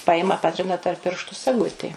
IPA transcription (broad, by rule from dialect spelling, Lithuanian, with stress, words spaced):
ˈpɑːjɪmɐ ˈpɑːtʲrʲɪnɐ tɐrp ˈpʲɪrʃtʊ sɐˈɡʊtʲeː